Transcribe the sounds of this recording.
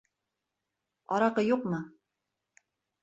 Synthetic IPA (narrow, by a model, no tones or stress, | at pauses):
ɒ̰ɾɑqɤjuqmɤ